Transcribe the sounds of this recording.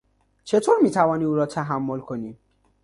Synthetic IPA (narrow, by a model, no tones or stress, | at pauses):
t͡ʃʰetʰoɾmitʰavɔniuɾɔtʰaɦamːolkʰoni